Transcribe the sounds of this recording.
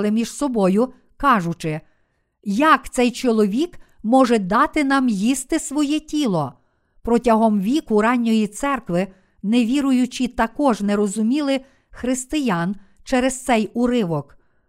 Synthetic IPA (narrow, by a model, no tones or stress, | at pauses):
lˠɪmʲiʒsɔbɔjʊ | kɑʒʊt͡ʃɪ | jɐkt̪sɛjt͡ʃɔlˠɔʋʲik | mɔʒɛd̪ɑt̪ɪnɑmjist̪ɪsʋɔjɛtʲilˠɔ | pɾɔtʲɐɦɔmʋʲikʊɾɑnʲːɔjit̪sɛrkʋɪ | neʋʲiɾʊjʊt͡ʃit̪ɐkɔʒnɛɾɔzʊmʲilˠɪ | xɾɪst̪ɪjɑnt͡ʃɛɾɛz̥t̪sɛjʊɾɪʋɔk